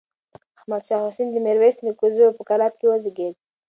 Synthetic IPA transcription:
ahmad̪ʃɑhʊsind̪əmeɾwesd̪əkuzupəkalat̪̚kewəziɡed̪̚

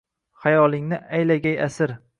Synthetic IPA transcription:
χajɒlˠɪŋnɪajlaɡʲajasɪɾ

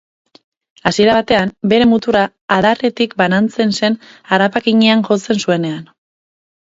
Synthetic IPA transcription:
asie̞ɾaβat̪e̞ambe̞ɾe̞mut̪uɾaː | ðaret̪ikbanant͡se̞nse̞naɾapakiɲeaŋʝo̞t͡se̞nsue̞ne̞an

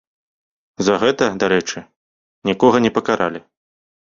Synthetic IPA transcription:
zɐɣɛt̪ɐd̪aɾɛt͡ʂɨ | nʲikɔɣɐnʲɛpɐkaɾʔa̰lʲi

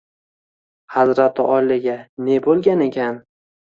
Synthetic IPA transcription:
hazɾat̪ʰɪʔɒlɪɡʲane̞bolˠɡʲane̞kʲʰan

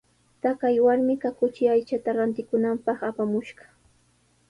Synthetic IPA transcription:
t̪akajwaɾmɪkakʊt͡ʃɪajt͡ʃat̪aɾant̪ɪkʊnampɑχapamʊʃɢɑ̥

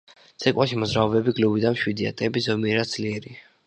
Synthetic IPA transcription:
t̪sʰɛkʼwaʃimɔzɾaɔbɛbiɡlubid̪amʃwid̪ia̰t̪ʼɛbizɔmiɛɾad̪zliɛɾi

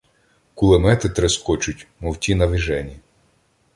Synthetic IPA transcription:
kʊlˠemɛt̪ɪt̪ɾɛskɔt͡ʃʊtʲmɔwtʲinɐʋiʒɛnʲi

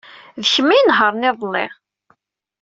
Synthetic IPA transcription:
ðəçəmːinɦəɾˤnɪðˤlːɪ̰ʁ

